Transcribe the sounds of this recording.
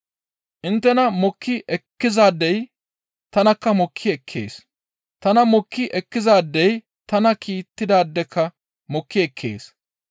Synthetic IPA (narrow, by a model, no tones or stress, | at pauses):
ʔɪnt̪ːɛnɐmɔkʰːɪʔɛkːɪzaːd̪ːɛj | t̪ɐnɐkːɐmɔkʰːɪɛkʰːḛːs | t̪ɐnɐmɔkːɪʔɛkːɪzaːd̪ːɛj | t̪ɐnɐkʰiːt̪ːɪd̪aːd̪ːɛkːɐ | mɔkːɪɛkʰːḛːs